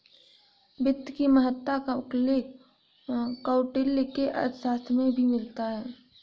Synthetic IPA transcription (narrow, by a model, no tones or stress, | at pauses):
bɪd̪kiməɦət̪ːakaʊpleːk | kaːʊʈɪlːkeʔɐ̰saːst̪ʰmẽbʱimɪlt̪aɦɛː